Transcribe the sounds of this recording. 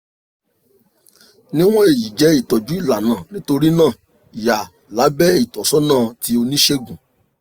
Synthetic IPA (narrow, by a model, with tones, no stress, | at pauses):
nĩ˦w̃ɔ̃˦e˦˨ji˨d͡ʒɛ˨˦i˦˨tɔ˨d͡ʒu˨˦i˦˨la˨nã˨nĩ˨˦to˧ɾi˦nãː˦˨ | i˨ja˨ | la˨˦bɛ˦i˦˨tɔ˨sɔ˨˦nãː˦˨ti˧˦o˧nĩ˦ʃe˦ɡũ˨